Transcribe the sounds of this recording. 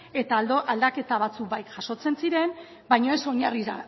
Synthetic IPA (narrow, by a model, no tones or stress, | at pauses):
e̞t̪aloʔald̪ake̞t̪aβ̞at͡sukbajkʝaʃo̞t͡se̞nsiɾe̞n | bajɲo̞e̞so̞ɲariða̰